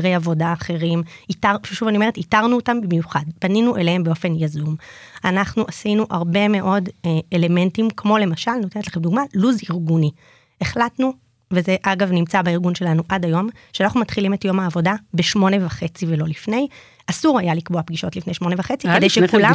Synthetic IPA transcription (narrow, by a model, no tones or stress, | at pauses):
ʁejavo̞daːχe̞ʁimitaʃuvanioeʁetitaʁnuotambimjuχadb̥aninuʔe̞lehembeo̞fe̞njazumanaχnuʔasinuʔaʁbe̞me̞ʔo̞deele̞me̞ntimkmo̞le̞maʃalno̞te̞netleχemd̪uɡmaluziʁɡuni | eχlatnu | vezeʔaɡavnimt͡sabaiʁɡunʃe̞lanuʔadajo̞mʃeanaχnumatχilime̞tjo̞maːvo̞dabeʃmo̞ne̞vaχe̞t͡sivelolifne̞j | asuʁajalikboapɡiʃo̞tlifnejʃmo̞nevaχe̞t͡sikedejʃekula